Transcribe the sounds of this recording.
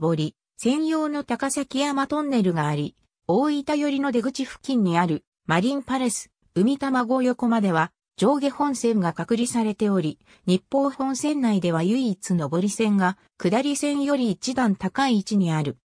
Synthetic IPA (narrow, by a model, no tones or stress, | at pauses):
bo̞ɾʲi | sẽ̞ɰ̃jo̞ːno̞t̪akasakʲijamat̪õ̞nːe̞ɾɯ̟ɡaːɾʲi | o̞ːit̪ajo̞ɾʲino̞d̪e̞ɡɯ̟t͡ɕiɸɯ̟̥kʲːĩɲ̟ːiaɾɯ̟ | maɾʲĩmpaɾe̞sɨ̥ | ɯ̟mʲit̪amaɡo̞jo̞ko̞mad̪e̞βa | d͡ʑo̞ːɡe̞hõ̞ɰ̃sẽ̞ŋɡakakɯ̟ɾʲisaɾe̞t̪e̞o̞ɾʲi | ɲ̟ipːo̞ːhõ̞ɰ̃sẽ̞nːaid̪e̞βajɯ̟iːt͡sɨno̞bo̞ɾʲisẽ̞ŋɡa | kɯ̟d̪aɾʲisẽ̞ɰ̃jo̞ɾʲiːt͡ɕid̪ãnt̪akaiːt͡ɕiɲ̟iaɾɯ̟